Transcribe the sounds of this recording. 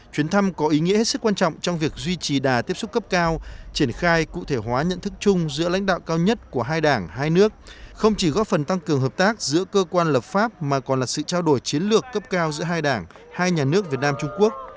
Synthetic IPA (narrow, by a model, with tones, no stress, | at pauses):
t͡ɕwi˨˦nt̪ʰa˧mkɔ˨˦ʔi˨˦ŋḭ˧˥he˦˥t̚sɨ˦˥kːwaː˧nt͡ɕɔ̰˧˨wŋ͡mt͡ɕɔ˧wŋ͡mvi˨˩ək̚zwi˧t͡ɕi˨˩ɗaː˨˩t̪i˦˥əp̚sʊ˦˥k͡p̚kə˦˥p̚kaː˧wt͡ɕi˧˩ənxaː˧jkṵ˧˨t̪ʰe˧˩ɦwaː˨˦ɲə̰˧˨nt̪ɨ˦˥k̚t͡ɕʊ˧ŋ͡mzɨ̰˧˥əla̰˧˥jŋ̟ɗa̰ː˧˨wkaː˧wɲə˦˥t̚ku˧˩əɦaː˧jɗaː˧˩ŋɦaː˧jnɨ˦˥ək̚xə˧wŋ͡mt͡ɕi˧˩ɣɔ̰˦˥fə˨˩nt̪a˧ŋkɨ˨˩əŋɦəː˨˩p̚t̪aː˦˥k̚zɨ̰˧˥əkəː˧kwaː˧nləː˨˩p̚faː˦˥p̚maː˨˩kɔ˨˩nlaː˨˩sɨ̰˧˨t͡ɕaː˧wɗo˧˩jt͡ɕi˨˦ənlɨ˨˩əkːə˦˥p̚kaː˧wzɨ̰˧˥əɦaː˧jɗaː˧˩ŋ | haː˧jɲaː˨˩nɨ˦˥ək̚vi˨˩ət̚naː˧mt͡ɕʊ˧ŋ͡mku˦˥ək̚